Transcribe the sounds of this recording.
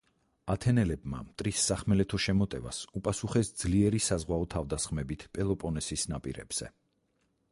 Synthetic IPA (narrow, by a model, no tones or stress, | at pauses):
at̪ʰɛnɛlɛbma̰mt̪ʼɾisːaχmɛlɛt̪ʰɔʃɛmɔt̪ʼɛva̰supʼasuχɛsd̪zliɛɾisazʁwaɔt̪ʰavd̪asχmɛbit̪ʰpʼɛlˠɔpʼɔnɛsisnapʼḭɾɛ̰b̥z̥ɛ̰